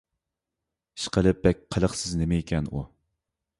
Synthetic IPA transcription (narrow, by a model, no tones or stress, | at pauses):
i̥ʃqʰəlˠɨp̚b̥ɛk̚ʲqʰəlˠəχsɪznemɪekʲʰɛnu